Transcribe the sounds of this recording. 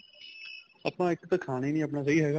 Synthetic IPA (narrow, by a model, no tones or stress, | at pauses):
əpnaːɪkt̪akʰaːñiːnĩːəp̬naːs̬əiːɦɛːɡaː